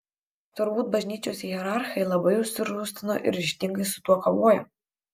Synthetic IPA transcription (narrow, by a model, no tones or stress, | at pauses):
t̪ʊɾbuːt̪̚bɐʒʲnʲiːt͡ʃʲoːsjɛɾɑˑɾxɐɪlˠɐbɐɪʊʃʲsʲɪɾuːsʲt̪ʲɪno̰ʔɪ̰ɾʲɪʃʲt̪ʲɪŋɡɐɪsʊ̥t̪uɔkoːʋoːjɛ